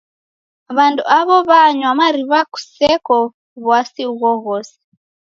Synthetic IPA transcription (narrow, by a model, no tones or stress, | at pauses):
βandṵaβɔβaɲwamaɾiβaku̥sɛkɔ | βwasiuɣɔɣɔsɛ̥